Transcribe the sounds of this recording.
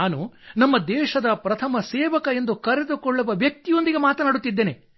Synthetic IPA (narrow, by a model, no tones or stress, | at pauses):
aːnunɐmːɐd̪ɛːʃɐd̪ɐpɾɐt̪ʰɐmɐseːʋɐkɐe̞nd̪ukɐɾed̪ukɔɭːuʋɐʋjɐk̚t̪ijo̞nd̪iɡe̞maːt̪ɐnaːɽut̪ːid̪ːeːne